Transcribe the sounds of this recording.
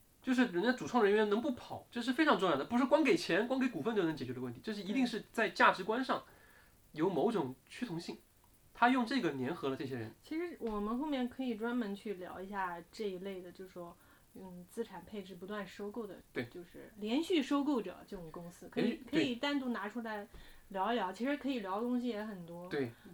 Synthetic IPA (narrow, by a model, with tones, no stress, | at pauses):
t͡ɕjo˥˧ʊʂɻ̩˥˩ɻə˧˥n˥˧˩ʈ͡ʂu˨˩ɑ˥ŋɻə˥nɥɛ˧˥nnɤ˧˥ŋp̬u˥˩pʰɑ˨˩˦ʈ͡ʂɤ˥˧ʂɻ̩˥˩fe˥ɪʈ͡ʂʰɑ˧˥ŋʈ͡ʂʊ˥˧ŋjɑ˥˩ə˩pu˧˥ʂɻ̩˥˩kwɑ˥ŋke˨˩ɪt͡ɕʰjɛ˧˥nk̬wɑ˥ŋke˧˥ɪku˨˩fə˥˧t̪o˥˩n˧˥t͡ɕɛ˨˩t͡ɕɥɛ˧˥ə˧wə˥˩nt̪ʰi˧˥jo˥˧ʊʂɻ̩˥˩i˧˥t̪i˥˧ŋʂɻ̩˥˧t͡sa˥˧ɪt͡ɕja˥˩ʈ͡ʂɻ̩˧˥kwa˥nʂɑ˥˩ŋ | jo˧˥ʊmo˧˥ʊʈ͡ʂʊ˨˩ŋt͡ɕʰy˥t̪ʰʊ˧˥ŋɕi˥˩ŋ | t̪ʰa˥jʊ˥˧ŋʈ͡ʂɤ˥˩ɡə˩njɛ˧˥nxɤ˧˥lə˧ʈ͡ʂɤ˥˩ɕ̬jɛ˥ɻə˧˦nt͡ɕʰi˧˥ʂɻ̩˧˥wɔ˨˩mə˧˦nxo˥˧ʊmjɛ˥˩nkʰɤ˧˥i˨˩ʈ͡ʂwa˥nmə˧˥nt͡ɕʰy˥˩ljɑ̰˧˥ʊi˧˥ɕja˥˩ʈ͡ʂɤ˥˩i˧˥le˥˩ɪd̪ə˩t͡ɕjo˥˧ʊʂ̩˩ʂwɔ˥˩ | t͡sɹ̩˥ʈ͡ʂʰa˨˩npʰe˥˧ɪʈ͡ʂɻ̩˥˩p̬u˧˥t̪wa˥˩nʂo˥ʊko˥˩ʊd̪ə̰˩t̪we˥˩ɪt͡ɕjo˥˧ʊʂɻ̩˥˩ljɛ˧˥nɕy˥˩ʂo˥ʊko˥˩ʊʈ͡ʂɤ̰˨˩˦ʈ͡ʂɤ˥˩ʈ͡ʂʊ˨˩ŋkʊ˥ŋsɹ̩˥kʰɤ˧˥i˨˩kʰɤ˧˥i˨˩t̪a˥˧nt̪u˥˩na˧˥ʈ͡ʂʰu˧˥la˥˧˩ɪljɑ˧˥ʊljɑ˧˥ʊt͡ɕʰi˧˥ʂɻ̩˧˥kʰɤ˧˥i˨˩ljɑ˧˥ʊ˧t̪ʊ˥ŋɕ̬i˧jɛ˧˥xə˨˩nt̪wɔ˥t̪we˥˩ɪ